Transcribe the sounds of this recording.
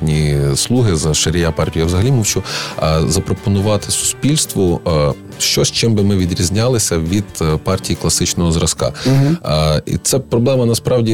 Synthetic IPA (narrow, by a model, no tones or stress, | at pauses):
nʲislˠuɦɪzɐʃeɾʲɪjapɑrtʲijɐʋzɐɦɐlʲimɔwt͡ʃʊzɐpɾɔpɔnʊʋɑt̪ɪ̥sʊ̥spʲilʲst̪ʋɔ | ʃt͡ʃɔʃt͡ʃɪmbɪmɪʋʲid̪ɾʲizʲnʲɑlˠɪsʲɐʋʲid̪̥pɑrtʲijiklˠɐsɪt͡ʃnɔɦɔzɾɐskɑ̰ | ḭt̪sɛpɾɔblˠɛmɐnɐspɾɑwdʲi